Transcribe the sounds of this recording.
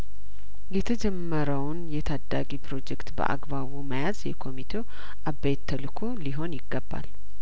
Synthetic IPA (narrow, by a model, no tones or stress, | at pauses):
jɛt̪ʰəd͡ʒɛmːəɾəwnjɛt̪ʰad̪ːaɡipɾo̞d͡ʒɛkt̪bə̰ʔa̰ɡbaβuməjazjɛkʰo̞mit̪ʰe | ʔabːejt̪ʰːəlkʰoliɦo̞njɪɡːəbːa̰l